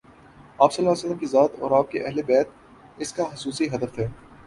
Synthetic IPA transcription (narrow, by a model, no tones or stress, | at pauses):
aːpsɐlːaːsəlːəmkizaːt̪ɔːɾaːp̚keʔɐɦlebɛːt̪̚ | ɪskaxʊsuːsiɦɐd̪əfɦɛː